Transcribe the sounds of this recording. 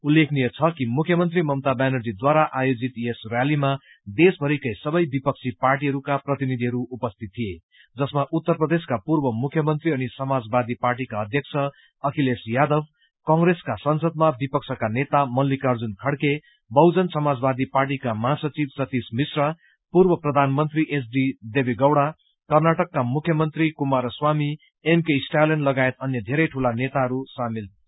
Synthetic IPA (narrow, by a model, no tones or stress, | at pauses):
ulːekʰnijʌt͡sʰʌkimukʰjʌmʌnt̪̬rimʌmt̪abanʌrd͡zid̪waɾaʔajod͡zit̪jesrjalima | d̪esbʱʌɾikʌjsʌbʌjbipʌk̚t͡sʰiparʈ̬iɦʌɾukaprʌt̪inid̪ʱiɦʌɾuupʌst̪ʰit̪̚tʰːije | d͡zʌsmaʔut̪ːʌrprʌd̪eskapurbʌmukʰjʌmʌnt̪riʌnisʌmad͡zbad̪iparʈ̬ikaʌd̪ʱjʌk̚t͡sʰʌ | ʌkʰilesjad̪ʌb | kʌŋɡreskasʌnsʌd̪̚mabipʌk̚sʰʌkanet̪amʌlːikʌrd͡zunkʰʌɽke | bʌwd͡zʌnsʌmad͡zbad̪iparʈ̬ikamʌɦasʌt͡sibsʌt̪ismisrʌ | purbʌprʌd̪ʱanmʌnt̪riʔes̬ɖid̪ebiɡʌwɽa | kʌrnaʈʌkːamukʰjʌmʌnt̪rikumaɾswami | emkesʈalenlʌɡaet̪ʌnjʌd̪ʱeɾʌjʈʰulanet̪aɦʌɾusamil